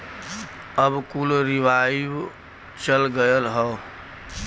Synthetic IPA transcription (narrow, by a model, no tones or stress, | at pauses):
əbkulɾiʋai | t͡ʃəlɡəjəlɦə